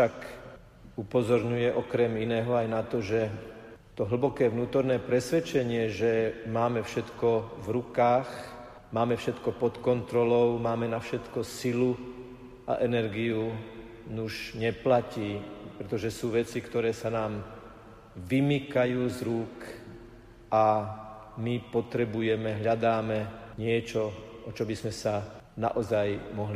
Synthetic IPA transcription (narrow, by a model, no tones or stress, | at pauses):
ʃak | upɔzɔɾɲujɛʔɔkɾɛminɛːɦɔajnat̪ɔʒɛt̪ɔɦl̩bɔkɛːʋnuːt̪ɔɾnɛːpɾɛsʋɛt͡ʃɛɲɪɛʒɛmaːmɛfʃɛt̪kɔvɾukaːx | maːmɛfʃɛt̪kɔpɔt̪kɔnt̪ɾɔlɔʊmaːmɛnafʃɛt̪kɔsilu | a̰ʔɛnɛɾɡiu | nuʒɲɛplaciːpɾɛt̪ɔʒɛsuːʋɛt͡sikt̪ɔɾɛːsanaːm | ʋimikajuːzɾuːk | ʔa | mipɔt̪ɾɛbujɛmɛɦʎad̪aːmɛɲɪɛt͡ʃɔʔɔt͡ʃɔbizmɛsa | na̰ʔɔzajmɔɦli